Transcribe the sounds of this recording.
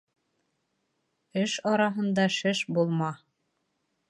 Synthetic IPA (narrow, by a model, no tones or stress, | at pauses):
ɘʃɑɾɑɦɤ̆nd̪ɑʃɘʃbulˠmɑ